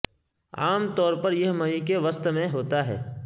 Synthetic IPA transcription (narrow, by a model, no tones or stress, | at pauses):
aːmt̪ɔːɾpɐɾjɐɦmɐɦikeʋəst̪mẽɦoːt̪aɦɛ̰ː